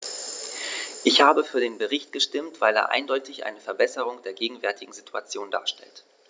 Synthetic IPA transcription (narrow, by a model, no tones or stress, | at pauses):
ʔɪçhaːbəfyːɐdeːnbəʁɪçt̚ɡ̥əʃtɪmtv̥aɪlḛːɐʔa̰ɪndɔʏtʰɪçʔa̰ɪnəfɛɐbɛsəʁ̞ʊŋd̥eːɐɡeːɡŋ̩vɛɐtʰɪɡŋ̩zitʰua̰t͡sjoːnda̰ːɐʃtɛ̰lt